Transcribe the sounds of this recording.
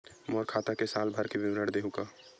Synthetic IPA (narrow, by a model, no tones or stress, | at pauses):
mɔːɾkʰaːt̪akesaːlbʱəɾkebɪmɾəɽd̪eːɦũkaː